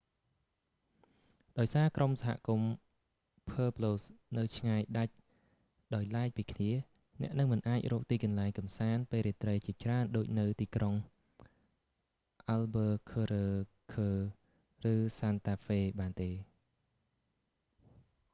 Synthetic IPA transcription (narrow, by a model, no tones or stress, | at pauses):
ɗaɔjsaːkromsaɦa̰ʔkum | pʰəːploːsnɨwt͡ɕʰŋaɛjɗac̚ | ɗaɔjlaɛk̚piːkʰniə | nɛ̆əʔnɨŋmɨnʔaːc̚rɔːk̚t̪iːkɑnlaɛŋkɑmsaːnpeːlɾiət̪rəjt͡ɕiət͡ɕraənɗoːc̚nɨwt̪iːkroŋ | ʔalɓəːkʰəːɾəː | kʰəː | rɨːsaːnt̪aːfeːɓaːnt̪eː